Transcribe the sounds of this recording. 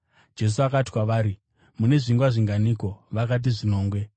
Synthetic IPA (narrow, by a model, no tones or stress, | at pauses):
d͡ʒe̞s̬uakati̥kwaʋaːɾi | mune̞ʐiŋɡwaʐiŋɡaniːko̞ʋakat̬iʐino̞ːŋɡwe̞